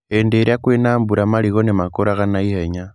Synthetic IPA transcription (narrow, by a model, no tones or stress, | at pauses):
endeɾakweːnaːmbuɾamaliɣo̞nemakoɾaɣanaiheɲa